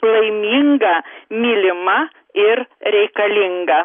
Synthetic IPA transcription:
lˠɐɪmʲiːŋɡɐmʲiːlʲɪmɐ | ɪɾɾʲɛɪkɐlʲɪŋɡɐ

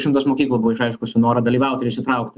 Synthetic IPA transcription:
ʃʲɪmt̪ɐsmoːkʲiːklˠɐbʊʋoɪʃɾɐɪʃkʊsʲʊnoːɾɐd̪ɐlʲiːʋɐʊt̪ʲɪɾɪʃʲsʲɪt̪ɾɐʊkt̪

